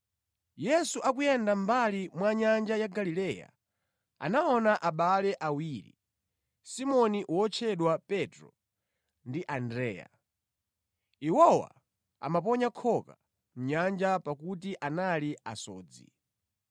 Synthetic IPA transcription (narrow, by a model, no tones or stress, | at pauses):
jɛsuʔakujɛndambalimwaɲand͡ʒajaɡalilɛja̰ | a̰naɔnaʔaɓalɛʔawiɾḭ | simɔniʔwɔt͡ʃʰɛɗwapɛtɾɔ | ndiʔandɾɛ̰ːja̰ | iwɔwa̰ | a̰map̬ɔɲakʰɔka | m̩ɲand͡ʒapakut̬iʔanalia̰sɔ̰ːd͡zḭ